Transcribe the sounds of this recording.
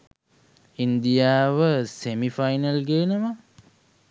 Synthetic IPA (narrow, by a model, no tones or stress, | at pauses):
ind̪ijaːʋəsemifajnəlɡeːnəmə